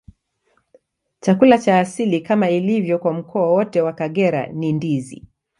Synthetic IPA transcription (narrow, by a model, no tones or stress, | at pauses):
t͡ʃakulat͡ʃaːsilikamailivjɔkwam̩kʰɔawɔtɛwakaɠɛɾa̰nindizḭ